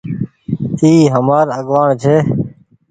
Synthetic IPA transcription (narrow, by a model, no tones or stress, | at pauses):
t̪iːɦəmaːɾəɠʋaːɳt͡ʃʰeː